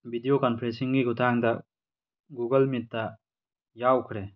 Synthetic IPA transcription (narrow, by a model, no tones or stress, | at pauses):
bid̪ijoːkɐnpʰɾesiŋɡiɡut̪ãːŋd̪a | ɡuːɡɐlmit̪ːa | jaːukʰɾe